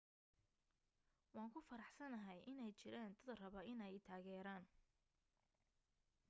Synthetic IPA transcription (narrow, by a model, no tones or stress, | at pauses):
wɑːŋkʰʊfɐɾɑħsɐnɐɦɛjʔɪnɛjt͡ʃɪɾaːnt̪ʰɐðɐrɐβɐʔɪnɛjt̪ʰaːɣɛːɾaːn